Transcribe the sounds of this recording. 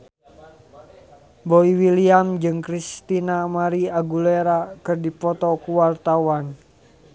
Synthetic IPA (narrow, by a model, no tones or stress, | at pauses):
boiwiliamd͡ʒɨŋkɾist̪inamaɾiaɡuleɾakɨrdipɔt̪ɔkuwart̪awan